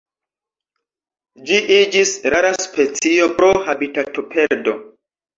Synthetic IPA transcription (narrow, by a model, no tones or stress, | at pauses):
d͡ʒiʔid͡ʒisɾaɾaspet͡sio̞pɾohabitatopʰeɾdo̞